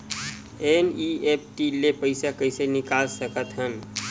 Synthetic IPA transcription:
eniep̚ʰʈilepəɪsakəɪsenɪkalsəkət̪ɦən

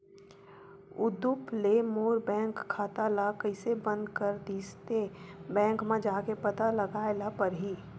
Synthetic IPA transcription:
ʊd̪ʊplemoːɾbɛ̃ːŋkʰːaːt̪alakəɪsebə̃nd̪kəɾd̪iːst̪ebɛ̃ːŋkmẽd͡ʒaːkepɐt̪alɐɡaːelapɐɾɦiː

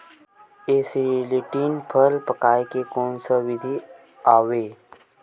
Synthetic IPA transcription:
eːseliʈiːnpʰəlpəkaːekekoːnsəʋɪd̪ʱi | aːweː

